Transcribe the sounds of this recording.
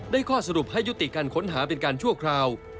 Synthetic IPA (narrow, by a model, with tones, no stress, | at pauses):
daː˥˩jkʰɔː˥˩sa˧ɾu˨˩p̚ha˥˩jːu˦˥t̪i˨˩kaː˧nkʰo˩˦˥nɦaː˩˦˥pe˧nkaː˧nt͡ɕʰu˥˩ɐkʰɾaː˧w